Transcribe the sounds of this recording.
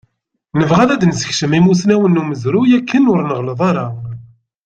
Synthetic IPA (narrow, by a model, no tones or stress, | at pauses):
nəvʁæðæd̪nzəçʃəmimusnæwənːuməzɾujækʰːənʊɾnəʁləðˤɑɾˤɑ